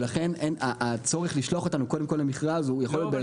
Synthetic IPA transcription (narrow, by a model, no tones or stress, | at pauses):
laχe̞nʔenaʔːt͡so̞ʁeχliʃloaχo̞t̪anukode̞mko̞lamiχʁazujaχoljot̪̚be